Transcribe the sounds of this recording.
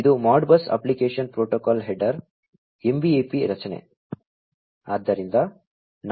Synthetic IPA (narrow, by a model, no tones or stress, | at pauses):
id̪umaːɖbɐsɐ̰plikeːʂɐnpɾoːʈokaːlɦeɖɐɾ | embiepiɾɐt͡ʃɐnḛ | aːd̪ːɐɾind̪ɐ | n